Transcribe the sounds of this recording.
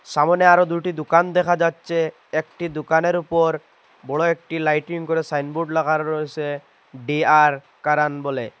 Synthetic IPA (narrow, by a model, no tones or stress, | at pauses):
ʃamoneaɾod̪ujʈid̪ukand̪ɛkʰad͡ʑatːɕʰe | ek̚ʈid̪ukaneɾupoɾ | bɔɽoek̚ʈilajʈiŋkoɾesajnbuɖlakʰaɾːoet͡ɕʰe | ɖiaɾ | kaɾanbɔle